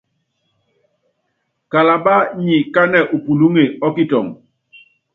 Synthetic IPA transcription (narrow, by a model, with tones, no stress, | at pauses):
ka˨la˨ba˦ɲi˨ka˦nɛ˨ʔu˨pu˨lu˦ŋe˨ɔ˦ki˦˨tɔ˨ŋ